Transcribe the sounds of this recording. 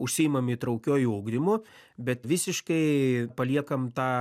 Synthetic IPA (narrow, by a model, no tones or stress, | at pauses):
ʊʃʲsʲɪɪmɐmit̪ɾɐʊkʲoːjuuːɡd̪ʲɪmʊ | bʲɛt̪ʋʲɪsʲɪʃkɐɪpɐlʲiɛkɐmt̪ɑː